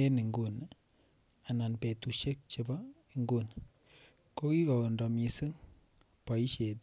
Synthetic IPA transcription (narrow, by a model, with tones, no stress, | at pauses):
e˦ni˨ŋɡu˦˨n | a˨na˨npe˨tu˨ʃe˦k̚t͡ʃe˦bɔ˦i˨ŋɡu˦n | ko˦ki˦kɔ˨o˨ndɔ˨mi˨si˦ŋ | pa˨i˦ʃe˨t